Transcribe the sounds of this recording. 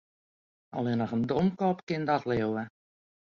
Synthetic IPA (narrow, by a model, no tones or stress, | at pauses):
ɔ̰lɪnəχəndomkɔpkɪndɔtleəwə